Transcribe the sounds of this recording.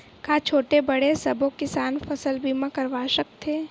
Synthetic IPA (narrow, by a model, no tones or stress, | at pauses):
kaːt͡ʃʰoːʈebɐɽesɐbokɪsaːnfɐsəlbʱiːmãkɐɾʋaːʃək̚t̪ʰeː